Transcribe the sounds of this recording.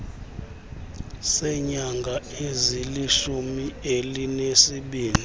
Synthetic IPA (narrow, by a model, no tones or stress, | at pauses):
sɛɲaŋɡʱaeziliʃumielinesiɓiːli